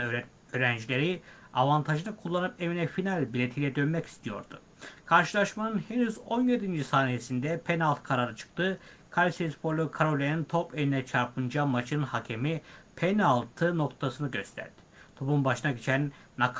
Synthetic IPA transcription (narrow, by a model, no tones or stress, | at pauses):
øːɾænd͡ʒilʲe̞ɾi | avant̪ʰaʒɯnakʰulˠːanɯpe̞vinɛfinalʲbilʲet̪ʰijlʲɛd̪ø̞nmɛci̥st̪ʰijo̞̰ɾd̪̥u | kʰaɾʃɯlˠaʃmanɯnhe̞nyzo̞nje̞d̪ind͡ʒisaːnijesind̪ɛpʰenalˠt̪kʰaɾaɾɯt͡ʃʰɯ̥k̚t̪ɯ | kʰalʲisespʰo̞ɾlʲˠukʰaɾolʲenint̪ʰope̞lʲinɛt͡ʃʰaɾpʰɯnd͡ʒamat͡ʃʰɯnɯnhacʰemipʰenalˠt̪ʰɯno̞k̚t̪ʰasɯnɯɟø̞st̪ʰæ̰ɾd̪̥i̥t̪ʰo̞pumbaʃɯnaɟit͡ʃʰænːak